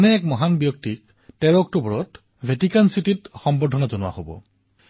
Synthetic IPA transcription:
nɛɛkmɔɦanbjɔk̚tik̚ | tɛɹɔk̚tubɔɹɔt | bʱetikansititxɔmbɔdʱɔnazɔnʊwa̰hobɔ̰

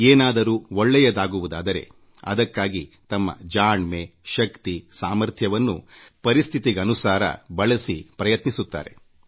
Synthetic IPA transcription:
eːnaːd̪ɐɾuːɔɭːɛjɐd̪aːɡuʋud̪aːd̪ɐɾe̞̰ | ɐ̰d̪ɐkːaːɡit̪ɐmːɐ̰d͡ʒaːɳmeʃɐkt̪isaːmɐɾt̪ʰjɐʋɐnːṵpɐɾist̪ʰit̪iɡɐːnusaːɾɐ̰bɐɭɐsipɾɐjɐt̪nisut̪ːa̰ːɾe̞̰

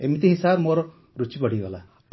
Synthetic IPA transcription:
emit̪iɦisabmoɾɔ | ɾut͡ʃipɔɽ̤iɡɔla

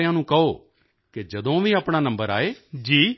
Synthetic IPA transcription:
ãːnũːkəoː | kɪd͡ʒəd̪õːʋiːaːpɳaːnə̃mbəɾa̰ːeːd͡ʒiː

